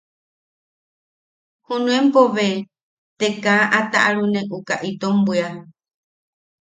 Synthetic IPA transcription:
hunũẽmpoʋe | t̪ekãʔat̪aʔaɾunẽʔukaʔit̪ombɨa

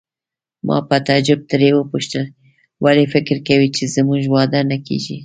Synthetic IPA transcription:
mʔɑ̰pət̪ad͡ʒʊb̚t̪ɾewəpuʃt̪əl | walifɪkɾkawit͡ʃezmuʒwɑd̪anakḛʒi

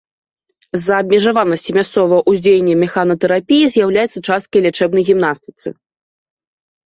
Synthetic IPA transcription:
zɐːb̚ʲmʲɛʐavanɐsʲt͡sʲimʲast̪sɔvɐjɐʔuzʲd͡zʲejʲenʲːɐmʲɛxanɐt̪ɛɾapʲijizʲjawlʲajɛt̪sːɐt͡ʂast̪̚kɐjlʲat͡ʂɛbnɐjɣʲimnast̪ɨ̥t̪sɨ̰

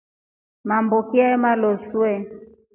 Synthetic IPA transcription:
mambokiamalosuɛ

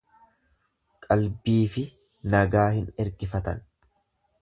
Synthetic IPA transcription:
kʼɐlbiːfɪ | nɐɡaːhɪnɛɾɡɪfɐt̪ɐ̰n

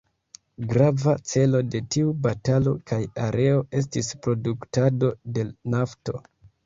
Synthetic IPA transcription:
ɡɾavat͡se̞lo̞de̞tiubatalo̞kʰajaɾʔe̞o̞e̞s̬tispɾo̞duktado̞de̞lnafto̞

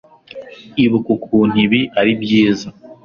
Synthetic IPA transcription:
iβukukʰuːn̥iβiʔaɾibjiːza

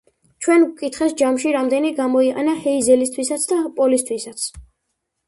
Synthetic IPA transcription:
t͡ʃʰwɛnkʼit̪ʰχɛsd͡ʒamʃiɾamd̪ɛniɡamɔiqʼa̰nahɛizɛlist̪ʰwisat̪sʰd̪apʼɔlist̪ʰwisat̪sʰ

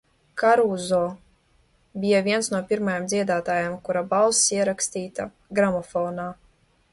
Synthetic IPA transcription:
kaɾuzɔː | bʲijavʲiɛnsnuɔpʲiɾmajamd̪zʲiɛd̪aːt̪aːjamkuɾabalsiɛɾakst̪iːt̪a | ɡɾamɔfɔːnaː

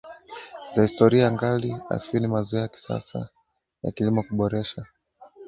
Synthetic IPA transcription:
zahistɔɾiaaŋɡalia̰finimazuajaki̥sa̰sa̰ | ja̰kilimɔkuɓɔɾɛʃa

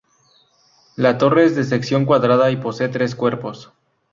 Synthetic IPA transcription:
lat̪o̞re̞ezðe̞s̬e̞ksjo̞ŋkwaðɾaðaipo̞se̞ːt̪ɾe̞skwe̞ɾpo̞s

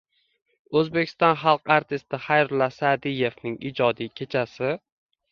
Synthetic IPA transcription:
ɵzbekʲʰɪ̥st̪ɒnχɑlˠqaɾt̪ʰɪst̪ɪχajɾʊlasad̪ije̞vnɪŋḭd͡ʒɒd̪ijkʲʰe̞t͡ʃʰasɪ

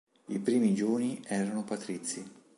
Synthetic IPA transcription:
ipɾiːmid͡ʒuːniɛːɾanopat̪ɾit̪sːi

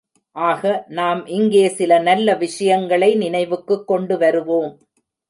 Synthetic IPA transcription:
ʔaːɣɐnaːmʔɪŋɡeːsɪlɐnɐlːɐʋɪʂɐjɐŋɡɐɭɐɪnɪnɐɪʋɯkːɯkːɔɳɖɯʋɐɾɯʋoːm

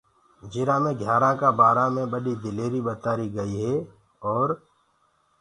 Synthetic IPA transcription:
d͡ʒɪɾãːmẽɡʱjaːɾãkabaːɾamẽbəɗid̪ɪleːɾibət̪aːɾiɡəiɦɛː | ɔːɾ

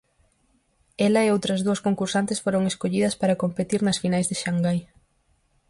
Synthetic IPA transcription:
ɛlɐeowt̪ɾɐzðuɐskoŋkuɾsant̪ɪsfoɾoŋeskoʎiðɐspaɾɐkompet̪iɾnɐsfinajzðeʃaŋɡaj

